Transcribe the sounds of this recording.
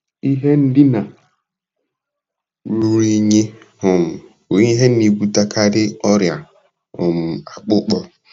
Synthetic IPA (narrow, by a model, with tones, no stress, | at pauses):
i˦ɦe˦n̩˦dɪ˦na˨ | ɾu˨ɾi˦ɲe˦ | hʊ˨m̩˨ | o˨i˦ɦe˦i˨ɡʷu˦ta˦kʰa˦dɪ˦ɔ˦ɾja˨ | ʊ˨m̩˨a˨k͡pʊ˦k͡pɔ˦